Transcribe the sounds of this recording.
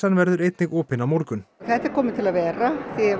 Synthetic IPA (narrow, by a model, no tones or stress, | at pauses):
anvɛɾðʏɾejt̪nɪɣɔːpɪnawmɔɾkʏnθɛt̪ɛɾ̥kʰɔːmɪt̪ʰɪlavɛːɾaθɛ